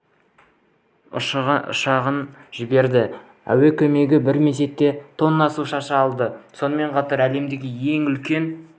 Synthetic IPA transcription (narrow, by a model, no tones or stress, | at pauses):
ʊ̰ʃʁʊ̰ʃɑʁənʒɪbe̞ɾd̪ɪ | æ̰we̞kʲʰɵme̞ɡʲɪbɪɾme̞s̬e̞t̪ːe̞t̪ʰo̞nːɑsuʃɑʃɑːlˠd̪əso̞nəme̞ɴqʰɑt̪ɑɾæle̞md̪eɡʲɪje̞ŋʏlkʲe̞n